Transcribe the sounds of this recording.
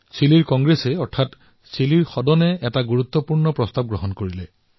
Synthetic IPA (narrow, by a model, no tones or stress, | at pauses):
siliɹkɔŋɡɹesɛɔɹtʰat | siliɹxɔdɔnɛɛtaɡuɹut̪ːɔpuɹnɔpɹɔstab̚ɡɹɔɦɔnkoɹilɛ̰